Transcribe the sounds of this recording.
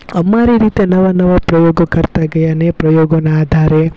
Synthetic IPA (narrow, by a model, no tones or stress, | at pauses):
ɐmaːɾiɾiːt̪enɐʋɐnɐʋɐpɾɐjɔːɡɐkɐɾt̪aɡɐjɐnepɾɐjoːɡɐnɐaːd̪ʱaːɾe